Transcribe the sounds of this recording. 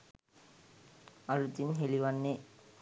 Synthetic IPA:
ɐlut̪ːinɦeliʋɐnːe

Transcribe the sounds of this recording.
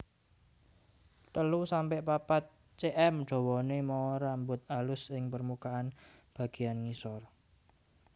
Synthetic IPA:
t̪əlusampɪʔpapat̪̚ | t͡ʃeʔɛmɖ̥ɔ̤wɔnemɔɾambʊt̪̚alʊsɪŋpərmukaʔanb̥ä̤ɡ̥i̤janŋisɔr

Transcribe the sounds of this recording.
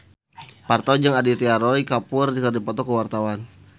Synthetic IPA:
part̪ad͡ʒaŋadit̪ɛaɾɔikapʊrdikərdipɔt̪ɔkəwart̪awan

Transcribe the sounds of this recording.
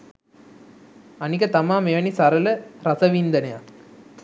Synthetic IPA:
ɐnikɐt̪ɐmaːmeʋɐnisɐɾɐlɐɾɐsɐʋiːnd̪ɐnɐja̰ː

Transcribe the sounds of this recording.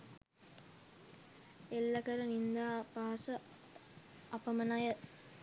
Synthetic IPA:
elːəkəɾənind̪aːpaːsə | ɐpəmənajə

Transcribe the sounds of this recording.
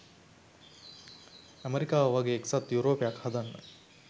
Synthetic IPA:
æmeɾikaːʋəʋaɡeːksɐt̪juɾoːpejakhad̪anːə̰

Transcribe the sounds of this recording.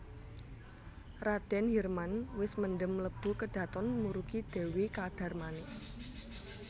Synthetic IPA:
rad̪̥ɛnɦirmanwɪsmənɖəmləb̥ṳkəd̪̥ä̤t̪ɔnmuɾukid̪̥e̤wikad̪̥a̤rmanɪ

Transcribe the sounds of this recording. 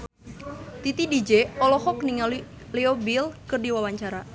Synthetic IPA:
t̪it̪idid͡ʒeɔlɔhɔkniŋali | leobilkərdiwawaɲt͡ʃaɾa

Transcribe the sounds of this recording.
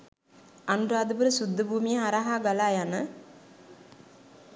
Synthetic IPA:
anuɾaːd̪əbəɾəsud̪ːəbʱuːmijəɦaɾaɦaːɡalaːjanə

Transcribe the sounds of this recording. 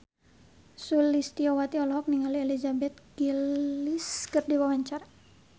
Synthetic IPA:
sulist̪iɔwat̪iɔlɔɦɔk̚niŋalielizabɛt̪̚ɡ̥iliskɨrdiwawaɲt͡ʃar

